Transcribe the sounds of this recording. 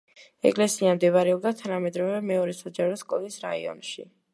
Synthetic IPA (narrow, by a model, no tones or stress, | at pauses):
ɛ̰kʼlɛsiamd̪ɛvaɾɛɔb̚d̪at̪ʰanamɛd̪ɾɔvɛmɛɔɾɛsad͡ʒaɾɔskʼɔlisɾa̰ḭɔ̰nʃi